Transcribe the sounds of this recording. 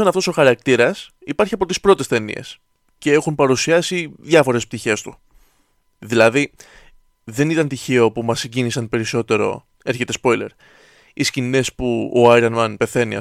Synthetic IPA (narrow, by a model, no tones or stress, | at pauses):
ɐnɐft̪o̞so̞xɐɾɐk̚t̪iɾɐs | ipɐɾçiɐpo̞t̪ispɾo̞t̪e̞st̪e̞nḭe̞̰s | ce̞e̞xunpɐɾusiɐsiðʝɐfo̞ɾe̞sp̚t̪içe̞st̪u | ðilɐði | ðe̞nit̪ɐnt̪içeopumɐsiɲɟinisɐnpe̞ɾiso̞t̪e̞ɾo̞̰ | e̞ɾçe̞t̪e̞spo̞jle̞̰ɾ | iscinespuoɐjɾɐnmɐnpe̞θe̞niɐ̰